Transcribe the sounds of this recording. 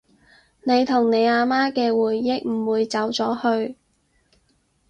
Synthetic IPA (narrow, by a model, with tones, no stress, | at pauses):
ne˨˧jt̪ʰʊ˨˩ŋne˨˧jaː˧maː˥kɛː˧wuː˨˩jːɪ˥k̚m̩˨˩wuː˨˧jt͡sɐ˨˥wt͡sɔː˨˥hɵ˧ɥ